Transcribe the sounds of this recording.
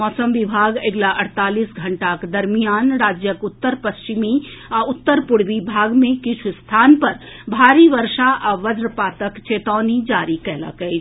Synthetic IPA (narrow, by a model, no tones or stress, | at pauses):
mɔsəmʋibʱaɡeɡlaʔəɽ̤t̪aːlisɡʱəɳʈakd̪əɾmijaːnɾaːd͡ʒjəkut̪ːəɾpəst͡ʃimiaut̪ːəɾpuɽ̤ʋibʱaɡmẽkit͡ʃʰust̪ʰanpəɾbʱaːɾiʋəɾʃaʔaʋəd̪ɾəpaːt̪əkt͡ʃet̪aːnid͡ʒaɾikɛɦlə̰kəɪt͡ʃʰ